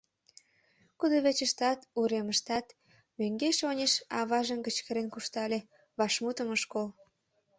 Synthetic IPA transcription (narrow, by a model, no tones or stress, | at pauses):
kud̪oβet͡ɕəʃt̪ɑt̪uɾeməʃt̪ɑt̪ | møŋɡeʃonʲeʃɑβɑʒə̆mkət͡ɕkəɾenkuʃt̪ɑlʲe | βɑʃmut̪ə̆məʃkol